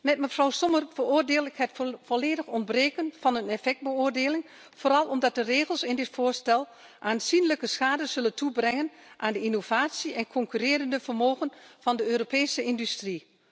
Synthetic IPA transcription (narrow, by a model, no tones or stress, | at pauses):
mɛt̚məfrɔwsɔmərv̥ərʊːrdeːləkhɦɛjtvɔleːdəxɔndbreːkənv̥ɑnənefɛk̚t̚bəʊːrdeːlɪŋ | v̥oːɾɑlˠɔmdɑt̚dəreːɣəlˠsɪndɪtfʊːɹstɛlˠ | ʔaːnz̥inləkəsxaːdəz̥ɵləntʰubrɛŋənʔaːndəinov̥aːsiɛnkʰɔŋkyreːɾəndəvərmoːɣənv̥ɑndəøːropeːsəɪndystri